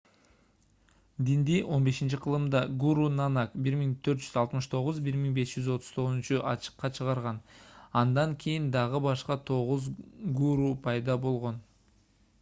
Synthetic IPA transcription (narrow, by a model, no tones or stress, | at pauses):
d̪ind̪iʔo̞nbe̞ʃint͡ʃiqʰəlˠɯmd̪ɑɡuɾunɑnɑkbiɾmiŋt̪ʰø̞ɾt̪d͡ʒyzɑlˠt̪mɯʃt̪ʰo̞ʁʊzbiɾmiŋbe̞sd͡ʒyzo̞t̪ʰʊ̥z̥t̪ʰo̞ʁnnt͡ʃuʔɑt͡ʃɯ̥qːɑt͡ʃʰəʁɑɾʁɑnɑnd̪ɑŋkʲʰejind̪ɑʁɯbɑʃqɑt̪ʰo̞ʁuzɡuɾupʰɑjd̪ɑbo̞lˠʁo̞n